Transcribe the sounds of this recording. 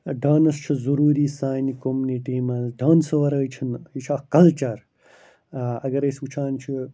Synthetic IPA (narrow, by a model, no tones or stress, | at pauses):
ɖaːnɐst͡ʃʰizɐɾuːɾiːsaːjnikomuniʈiːmɐlɖaːnsɨʋɐɾɐjt͡ʃʰinit͡ʃʰakɐlt͡ʃɐɾ | ɐɡɐɾɐsut͡ʃʰaːnt͡ʃʰi